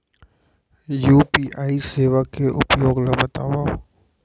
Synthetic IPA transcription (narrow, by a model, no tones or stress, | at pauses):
juːpiːʔaːiseːʋakeʔʊ̰pjoːɡlabɐt̪aːwaː